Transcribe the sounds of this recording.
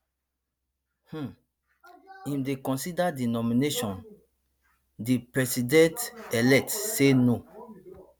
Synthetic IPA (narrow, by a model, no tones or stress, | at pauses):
h̩ | ĩmdekɔ̃sidadinɔmĩneʃɔ̃n | dipɹɛsidɛ̃telɛk̚tseno